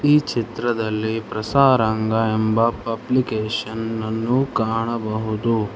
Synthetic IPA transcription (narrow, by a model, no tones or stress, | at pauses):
iːt͡ʃʰit̪ɾɐd̪ɐlːipɾɐsaːɾaŋɡaembapɐblikeːʃənnːukaːɳ̃əbɐɦut̪u